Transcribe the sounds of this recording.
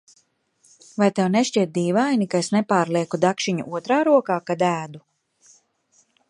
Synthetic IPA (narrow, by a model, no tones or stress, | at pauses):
vajt̪ɛwneʃt͡ʃiɛt̪̚d̪iːvajnikaesnepaːɾlˠiɛkud̪akʃiɲṵʔuɔt̪ɾaːɾuɔkaːkad̪æːd̪u